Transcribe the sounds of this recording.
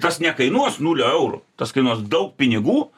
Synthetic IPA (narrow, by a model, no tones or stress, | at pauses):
t̪ɐsnʲɛkɐɪnuɔsnuːlʲoɛʊɾʊ̰t̪ɐskɐɪnuɔsd̪ɐʊk̚pʲɪnʲɪɡuː